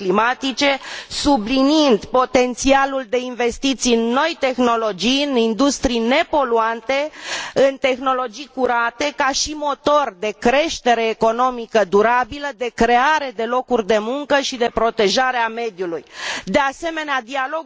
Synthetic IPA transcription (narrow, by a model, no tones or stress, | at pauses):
klimat̪it͡ʃe̞subliniind̪po̞t̪e̞nt̪sialuld̪e̞inve̞st̪it̪sijɨnːo̞jt̪e̞xno̞lo̞d͡ʒijɨnind̪ust̪ɾijne̞po̞luant̪e̞ɨnt̪e̞xno̞lo̞d͡ʒijkuɾat̪e̞kaʃimo̞t̪o̞rd̪e̞kɾe̞ʃt̪e̞ɾe̞ːko̞no̞mikəd̪uɾabiləd̪e̞kɾe̞aɾe̞d̪e̞lo̞kurʲd̪e̞muŋkəʃid̪e̞pɾo̞t̪e̞ʒaɾeame̞d̪julujd̪ease̞me̞nead̪ialo̞ɡ